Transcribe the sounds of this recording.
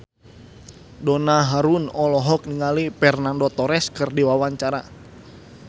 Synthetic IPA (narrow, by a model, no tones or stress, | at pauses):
dɔnaɦaɾunɔlɔɦɔk̚niŋalipɛrnandɔt̪ɔɾɛskɨrdiwawaɲt͡ʃaɾa